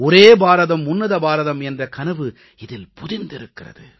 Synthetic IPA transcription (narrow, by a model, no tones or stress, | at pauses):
ɔɾeːbaːɾɐðɐmːʊnːɐðɐbaːɾɐðɐmɛndrɐkɐnɐʋɯ | ɪðɪlpʊðɪnd̪ɪɾɯkːɪrɐ̰ðɯ̰